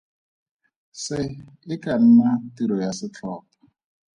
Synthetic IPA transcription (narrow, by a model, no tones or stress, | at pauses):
sɪɪkʼan̩natiɾɔjasɪt͡ɬʰɔːpɔ̥